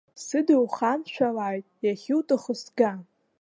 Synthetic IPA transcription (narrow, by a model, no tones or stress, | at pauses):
sɨdɨwχanʃʷᶣalaːjtʼjaχʲɪwtʼɨχəsɡa